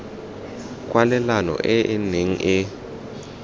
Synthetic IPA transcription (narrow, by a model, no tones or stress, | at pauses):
kʼwalɛlanɔ̰ʔɛʔɪneŋ̩ʔɪ